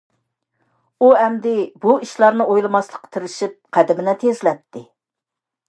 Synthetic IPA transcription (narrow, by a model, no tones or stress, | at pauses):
uɛmd̪ɪbuiʃlˠɑɾnɨojlˠɨmɑslˠəqʰːə̥t̪ʰɪɾɪʃip̚qʰæd̪ɪmɪnɛt̪ʰezlɛp̚t̪ʰːɪ